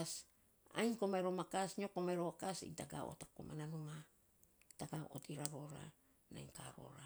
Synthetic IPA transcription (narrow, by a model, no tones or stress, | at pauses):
s | a̰jŋkomaeɾomakasɲokomaeɾoakasḭŋtaɡa̰o̰tako̰mʔananuma | taɡaʔo̰tiɾaɾo̞ɾa̰ | na̰jŋka̰ɾo̰ɾa